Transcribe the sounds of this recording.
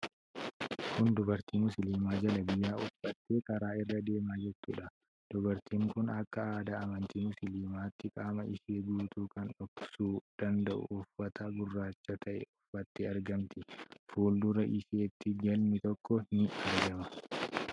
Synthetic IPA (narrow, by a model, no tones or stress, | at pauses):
hʊnd̪ʊbɐɾt̪iːmʊsɪliːmaːd͡ʒɐlɐbɪjːaːʊfːɐt̪ːe̞ːkʼɐɾaːɪrːɐd̪e̞ːmaːd͡ʒɛt̪ːṵːᶑɐ | d̪̥ʊbɐɾt̪iːŋkʊnɐkːɐaːd̪ɐɐmɐnt̪iːmʊsɪliːmaːt̪ːɪkʼaːmɐʔɪseːɡuːt̪uːkɐnɔksuːd̪̥ɐnd̪ɐʔʊ̰ʔʊfːɐt̪ʰɐɡʊrːaːt͡ʃːɐt̪ʰɐʔɛ̰ʊfːɐt̪ːeɐɾɡɐmt̪ɪfuːld̪ʊɾɐʔɪse̞ːt̪ːɪd͡ʒɐlmɪt̪ɔkːɔɪnɪɐɾɡɐmɐ